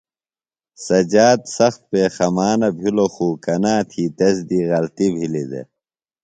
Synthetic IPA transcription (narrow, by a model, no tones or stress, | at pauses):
sɐd͡ʑaːd̪sɐxt̪̚peːxɐmaːnɐbʱiloxuːkɐnaːt̪ʰiːt̪ɐsd̪iːɣɐlt̪ibʱilid̪ḛ